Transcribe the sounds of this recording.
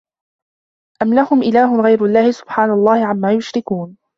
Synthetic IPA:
ʔamlahʊmʔɪlaːɦʊmɣajɾʊlːaːhɪsʊ̥b̥ħaːnalˤːɑːhɪʕamːaːjʊʃɾɪkuːn

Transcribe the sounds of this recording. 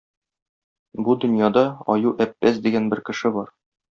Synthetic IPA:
bud̪ɵ̆njɑd̪ɑɒ̰juʔæpːæsd̪iɡænbɘɾkɘ̆ʃɘbɒɾ

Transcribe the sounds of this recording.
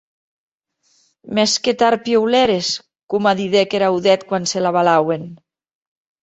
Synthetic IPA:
mɛsket̪aɾpjewlɛɾes | kumaðiðekeɾawðɛt̪kwanselaβalawen

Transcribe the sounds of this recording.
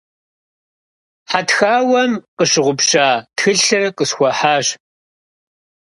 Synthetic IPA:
ħatxaːwɐmqəɕɨʁʷʊpʂaːtxɨɬɨrqʼəsxʷɔħaːɕ

